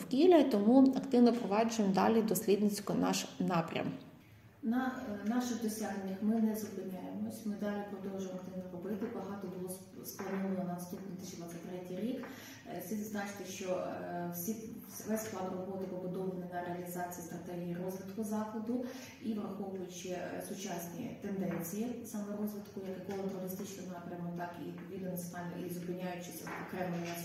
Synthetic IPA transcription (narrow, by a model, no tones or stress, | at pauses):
wkʲilʲɐt̪ɔmuɐkt̪ɪwnɔpɾɔʋɑd͡ʒʊjemd̪ɑ̰lʲid̪ɔsʲlʲid̪nɪt͡sʲkʊnɑ̰ʃnɑpɾʲɐ̰m | nɐnɑʃɪɣd̪ɔsʲaɦnenʲːɐxmɪnɛzʊpɪnʲajemɔsʲmɪd̪ɑlʲipɾɔd̪ɔlʒʊjmɐkt̪ɪʋnɔrɔbɪt̪ɪbɐɦɑt̪ɔbʊlˠɔ | splˠɐnɔʋɐlˠɔnɐɐst̪unʲit̪ɪʃʲilˠɐzɐt̪ɾɛtʲijɾʲik | sʲiznɑt͡ʃɪ̥t̪ɪʃt͡ʃɔsʲi | ʋɛsʲsklˠɑd̪rɐxɔʋt̪ɪpɔbʊd̪ɔbɐnɪnɐɾeɐlʲizɑt͡sʲijist̪ɾɐt̪ɛɦʲijirɔzʋɪt̪kʊzɑxˠɐd̪ʊ | iʋɾrɐxɔʋʊjʊtʲʃt͡ʃɛsʊt͡ʃɑsʲnʲḭt̪end̪ɛnʲt͡sʲijisɑmɛɾɔzʋɪt̪kʊjɐkɛkɔlˠɔt̪eɔɾʲɪst̪ɪt͡ʃnɪnɑpɾʲɐmɔt̪ɑkḭit̪pɔʋʲid̪ɐnɐsɑ̰ḭzʊpɪnʲːajʊt͡ʃɪsʲɔkɾɛmeɛ